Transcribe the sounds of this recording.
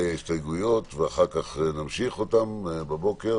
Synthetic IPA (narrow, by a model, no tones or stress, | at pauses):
istajɡujo̞tveaχaʁkaχnamʃiχo̞tambabo̞ke̞